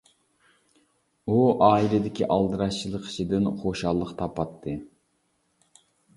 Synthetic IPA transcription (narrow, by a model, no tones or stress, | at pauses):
uɑːilɪd̪ɪkʲiʔɑlˠd̪ɨɾɑʃt͡ʃʰilˠəqʰi̥ʃid̪ɨnχoʃɑlˠːəqt̪ʰɑpɑt̪ʰːɨ